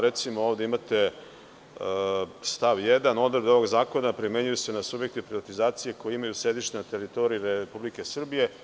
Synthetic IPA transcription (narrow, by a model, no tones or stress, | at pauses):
ɾe̞t̪simoo̞ːʋd̪eimat̪e̞ | st̪aʋjed̪ano̞d̪ɾbd̪o̞ʋo̞ɡzaːko̞napɾime̞ɲujuse̞nasubje̞k̚t̪ipɾiʋat̪izaːt̪sije̞ko̞jeimajusɾe̞d̪iʃt̪enat̪e̞ɾit̪o̞ɾiiɾepublike̞sr̩bije̞